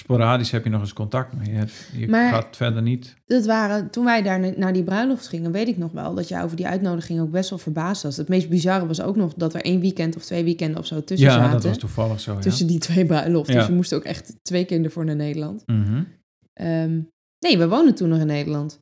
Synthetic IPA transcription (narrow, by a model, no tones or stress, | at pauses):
spoɾaːdishɛpjənɔχəskɔntɑk̚tmɛjəɛjə̰maːɹatfɛdənit | d̥ɑtʋaːrətunʋɛjdaːɹnaːɹdibrœɥnlɔftχɪŋənʋejtɪknɔχʋɛ̰lˠdɑtjə̰jʔo̰wvəɹdiʔœ̰ɥtnowdəχɪŋowɡ̚bɛstʋɛlˠvəɹbaːstʋɑsətmejst̚bizɑrəʋɑs̬o̰wknɔχdɑtə̰ɹʔejnʋikɛntɔftʋejʋikɛndəɔ̰fsowtɵsəzaːdɔtəɑstufɑlˠəxsotɵsəditʋejbrœɥnlɔftdjəmustowkɛ̰χttʋejkɪːɹdəɹvʊːɹnaːɹnejdəɹlɑnt̩ | ʔəm | nejʋɛjʋowndəntunːɔχɪnːejdəlɑnt